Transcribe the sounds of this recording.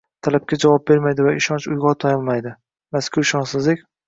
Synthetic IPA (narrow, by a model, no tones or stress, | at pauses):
t̪ʰalap̚kʲad͡ʒavɒp̚be̞ɾmajd̪ɪvaɪʃɒnt͡ʃʊ̰jʁɒt̪ʰɒjɒlˠmajd̪ɪ | maskʲʰʊɾɪʃɒnsɪzlɪkʲ